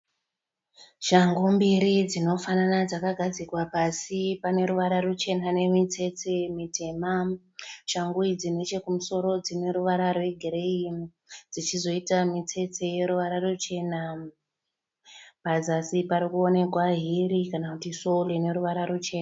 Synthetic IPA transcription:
ʃaŋɡombiɾid͡zino̞fananad͡zakaɡʱad͡zikwapasipane̞ɾuʋaɾarut͡ʃe̞nane̞mit͡se̞t͡semite̞ma | ʃaŋɡuid͡zine̞t͡ʃe̞kumuso̞ɾo̞d͡zine̞ɾuʋaɾarwe̞ɡʱiɾe̞i | d͡zit͡ʃizo̞itamit͡se̞t͡se̞je̞ɾuʋaɾarut͡ʃe̞ːna | pazasipaɾikuo̞ne̞kwaɦiɾikanakutiso̞lene̞ɾuʋaɾarut͡ʃe̞ːna

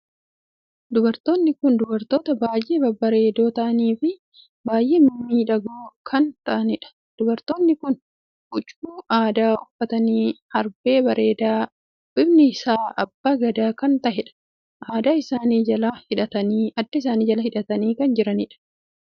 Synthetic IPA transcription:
d̪ʊbɐɾt̪o̞ːnːɪkʊnd̪ʊbɐɾt̪o̞ːt̪ɐbaːjʔe̞ːbɐbɐɾe̞ːd̪o̞ːt̪ɐʔɐniːfɪ | baːjʔe̞ːmɪmːiːᶑɐɡoːkʰɐnt̪ɐʔɐnɪᶑɐ̥ | d̪̥ʊbɐɾt̪o̞ːnːɪkʊn | bʊt͡ʃʼuːʔaːd̪aːʊfːɐt̪ɐniːhɐɾbe̞ːbɐɾe̞ːd̪aː | bɪbnɪɪsaːɐbːaːɡɐd̪aːkɐnt̪ɐhɛᶑɐ̥ | ʔaːd̪aːɪsaːniːd͡ʒɐlɐhɪᶑɐt̪ɐniːɐd̪ːɐɪs̬aːniːd͡ʒɐlɐhɪᶑɐt̪ɐniːkɐnd͡ʒɪɾɐnɪᶑɐ̥

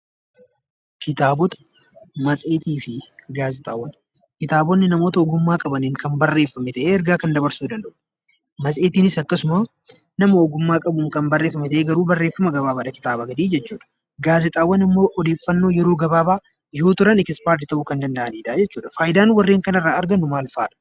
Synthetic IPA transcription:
kʰɪt̪aːbɔt̪ɐ̥ | mɐt͡sʼe̞ːt̪iːfɪɡaːzɪt̪ʼaːwːɐn | kɪt̪aːbɔnːɪnɐmoːt̪ɐɔɡʊmːaːkʼɐbɐniːŋkɐnbɐrːeːfːɐmɛt̪ɐʔeːɛɾɡaːkɐnd̪ɐbɐɾsuːd̪ɐnd̪ɐʔʊ̥ | mɐsʼe̞ːt̪iːnɪsɐkːɐsʊma | nɐmɐɔɡʊmːaːkʼɐbʊŋkɐmbɐrːe̞ːfːɐmɛt̪ɐʔeːɡɐɾuːbɐrːe̞ːfːɐmɐɡɐbaːbaːᶑɐkɪ̥t̪aːbɐɡɐd̪iːd͡ʒɛt͡ʃːuːᶑɐ̥ | ɡaːzɪt̪ʼaːwːɐnɐmːo̞ːʔɔd̪eːfːɐnːo̞ːjɛɾo̞ːɡɐbaːbaː | jo̞ːt̪ʊɾɐnɪkɪspaːɾt̪ɪt̪ɐʔukɐnd̪ɐnd̪ɐʔɐniːd̪aːd͡ʒɛt͡ʃːuːᶑɐ̥faːjɪd̪aːnwɐrːe̞ːŋkɐnɐrːaːɐɾɡɐnːʊmaːlfaːᶑɐ̥

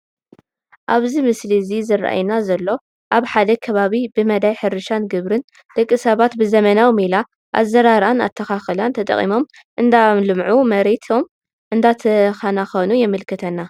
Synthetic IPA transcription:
ʔaβzimɨslizizɨra̰ʔa̰jnazɐlːo̞ | ʔaβħad̪ɐkʰɐβaβibɨmɐd̪ajħɨɾɨʃanɡɨβɾɨn | d̪̥ɨkʼːɨsɐβat̪bɨzɐmɐnawmila | ʔa̰zɐɾaɾana̰t̪ʰːɐxaxɨlant̪ʰɐt̪ʼɐ̰χʼḭmo̞m | ʔɨnd̪amlɨmʕumɐɾet̪ʰo̞m | ʔɨnd̪at̪ʰɐxanaxonujɛmɨlkʰɨt̪ʰɐnːa

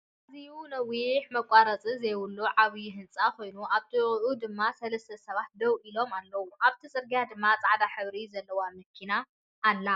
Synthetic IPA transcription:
ʔazijunɐwiħmɐkʷʼaɾɐt͡sʼizejwʊlːuʕaβijɦɨnt͡sʼako̞jnuʔaβt̪ʰɨʔud̪ɨmːasɐlɐst̪ʰɐsɐβat̪̚d̪ɐwʔilo̞malːɐwuʔaβt̪ʰisʼɨɾɡjad̪ɨmːat͡sʼaʕd̪aħɨβɾizɐlːɐwamɐkʰːinaː | lːa

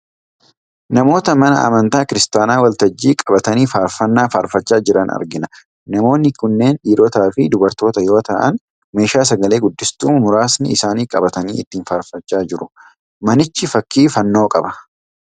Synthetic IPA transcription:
nɐmo̞ːt̪ɐmɐnɐ̰ʔɐ̰mɐnt̪aːkɪɾɪst̪aːnaːwɐlt̪ɐd͡ʒːiːkʼɐbɐt̪ɐniːfaːɾfɐnːaːfaːɾfɐt͡ʃːaːd͡ʒɪɾɐnɐ̰ɾɡɪnɐ | nɐmo̞ːnːɪkʊnːe̞ːnᶑiːɾoːt̪aːfɪd̪ʊbɐɾt̪o̞ːt̪ɐjo̞ːt̪ɐʔɐ̰n | me̞ːʃaːs̬ɐɡɐle̞ːɡʊd̪ːɪst̪uːmmʊɾaːsnɪɪsaːniːkʼɐbɐt̪ɐniːɪt̪ːiːnfaːɾfɐt͡ʃːaːd͡ʒɪɾʊ | mɐnɪt͡ʃːɪfɐkːiːfɐnːo̞ːkʼɐbɐ

